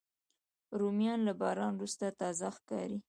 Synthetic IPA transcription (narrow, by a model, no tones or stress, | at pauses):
ɾumjɑnlabɑɾɑnɾust̪at̪ɑzaxkɑ̰ɾi